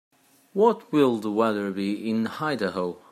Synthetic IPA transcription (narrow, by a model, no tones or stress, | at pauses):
wʌt̚wɪlˠðəwɛðə˞biɪ̃nhaɪdəɦoʊ